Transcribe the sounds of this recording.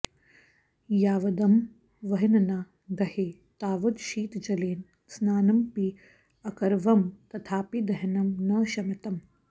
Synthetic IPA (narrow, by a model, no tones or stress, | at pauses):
jaːʋɐd̪ɐm | ʋɐɦinɐna | d̪ɐheː | t̪aːʋɐd̪ʃiːt̪d͡ʒɐleːn | snaːnɐmpi | ɐkɐɾʋɐmt̪ɐt̪ʰaːpid̪ɐɦɐnɐmnɐːʃɐmɐt̪ɐm